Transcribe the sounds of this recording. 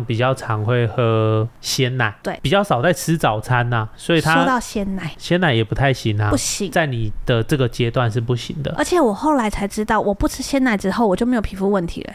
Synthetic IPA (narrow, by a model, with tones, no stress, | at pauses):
ŋpi˨˩t͡ɕjɑ˥˩ʊʈ͡ʂʰɑ˧˥ŋxwe˥˧ɪxɤ˧˥ɕjɛ˦nna˨˦ɪt̪we˥˩ɪpi˨˩t͡ɕjɑ˥˩ʊʂɑ˨˩ʊt͡sa˥ɪt͡s̩ʰ˥t͡sɑ˨˩ʊt͡sʰa˦na˨swɔ˧˥i˨˩t̪ʰʂa˦o˥˧t̪ɑ˥˧ʊɕjɛ˥nna˨˧˦ɪɕjɛ˥na˧˩ɪjɛ˨˩pu˧˦t̪ʰa˥˩ɪɕi˧˥ŋa˨pu˥˩ɕi˧˦ŋt͡sa˥˩ɪni˨˩d̪ə˦ʈ͡ʂɤ˥˩ɡə˨˩t͡ɕjɛ˦t̪wa˥˧nʂ̬ɻ̩˥˧pu˥˩ɕḭ˨˩˦ŋd̪ə̰˦ə˞˧˥t͡ɕʰjɛ˨˩˦wɔ˨˩xo˥˩ʊla˧˥ɪt͡sʰa˧˥ɪʈ͡ʂɻ̩˥t̪ɑ˥˩ʊwʔɔ˨˩pu˥˩t͡sʰɻ̩˥ɕjɛ˥na˧˥ɪʈ͡ʂɻ̩˥xo˥ʊwɔ˨˩t͡ɕjo˥˩ʊme˥jʰi˨˩fu˥˧wə˥˩nt̪ʰḭ˧˥lə̰˦